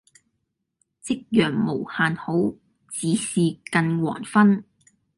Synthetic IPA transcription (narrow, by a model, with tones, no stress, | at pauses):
t͡sɪ˥k̚jœː˨˩ŋmo˨˩whaː˨nho˨˥w | t͡siː˨˥siː˨kɐ˧nwɔ̰ː˨˩nfɐ˥n